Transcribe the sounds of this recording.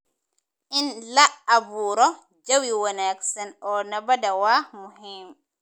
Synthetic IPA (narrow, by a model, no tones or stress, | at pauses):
ʔinlaabuːɾɔ | d͡ʒawiwɔnajaksɛnɔnabadawamuɦim